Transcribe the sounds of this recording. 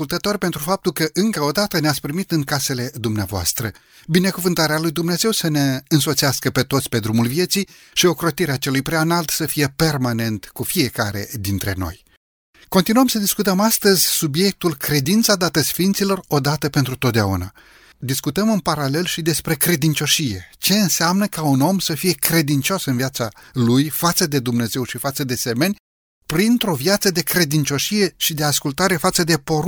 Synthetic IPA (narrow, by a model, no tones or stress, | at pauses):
kult̪ət̪o̞rʲpe̞nt̪ɾufap̚t̪ulkəʔɨŋkəo̞d̪at̪əneat̪sʲpɾimit̪ɨŋkase̞le̞d̪umneavoa̰st̪ɾə | bine̞kuvɨnt̪aɾealujd̪umne̞ze̞wsəne̞ɨnso̞t̪siaskəpe̞t̪o̞t̪sʲpe̞d̪ɾumulvje̞t̪sij | ʃio̞kɾo̞t̪iɾeat͡ʃe̞lujpɾeaɨnalt̪səfije̞pe̞rmane̞nt̪kufije̞kaɾe̞̰d̪int̪ɾe̞̰no̞̰j | ko̞nt̪inuəmsəd̪iskut̪əmast̪əzʲsubje̞k̚t̪ulkɾe̞d̪int̪sad̪at̪əsfint̪silo̞ro̞d̪at̪əpe̞nt̪ɾut̪ot̪d̪ea̰una̰ | d̪iskut̪əmɨnpaɾale̞lʃid̪e̞spɾe̞kɾe̞d̪int͡ʃo̞ʃije̞t͡ʃe̞ɨnseamnəkauno̞msəfije̞kɾe̞d̪int͡ʃo̞sɨnviat̪salujfat̪səd̪e̞d̪umne̞ze̞wʃifat̪səd̪e̞seme̞nʲ | pɾint̪ɾo̞vjat̪səd̪e̞kɾe̞d̪int͡ʃo̞ʃije̞ʃid̪e̞askult̪aɾe̞fat̪səd̪e̞po̞